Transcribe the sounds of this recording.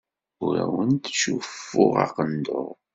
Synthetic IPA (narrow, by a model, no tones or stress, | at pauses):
ʊɾæwənt̪ʃufːʊʁɑ̰qənd̪oʁ